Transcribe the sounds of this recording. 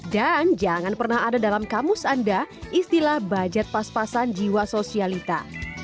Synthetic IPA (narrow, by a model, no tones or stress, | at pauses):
dand͡ʒaŋanpərnahadadalamkamʊsandaist̪ilahbad͡ʒat̪̚paspasand͡ʒiwasosialit̪a̰